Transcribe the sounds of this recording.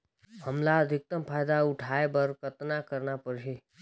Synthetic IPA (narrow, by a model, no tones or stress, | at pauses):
həmlaəd̪ʱɪk̚t̪əmpʰaːjd̪aʊʈʰaebəɾkət̪nakəɾnapəɾʃʰe